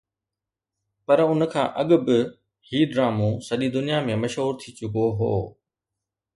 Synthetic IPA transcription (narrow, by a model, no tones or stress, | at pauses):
pɐɾʊnə̆kʰã̰ːʔɐɠʊbɪ | hiːɖɾaːmũsɐɗid̪ʊnijamẽmɐʃɦuːɾt̪ʰit͡ɕʊkoɦo̰ː